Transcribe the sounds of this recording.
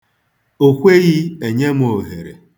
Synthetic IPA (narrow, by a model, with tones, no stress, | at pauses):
o˨kʷe˦ɣi˦e˨ɲe˦m˦o˨ɦe˨ɾḛ˨